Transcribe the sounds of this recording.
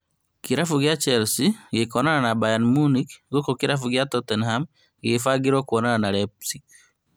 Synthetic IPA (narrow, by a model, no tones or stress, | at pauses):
kiɾafuɡjat͡ʃɛlsiɡekɔnananabajanmunikɡokɔkiɾafuɡjatɔtɛnham | ɡefaɡiɾɔkwɔnananaɾɛpsik̚